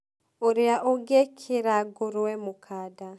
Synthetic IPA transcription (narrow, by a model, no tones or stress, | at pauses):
oɾeaʔoɡekʰeɾaɡoɾwɛmokʰaːda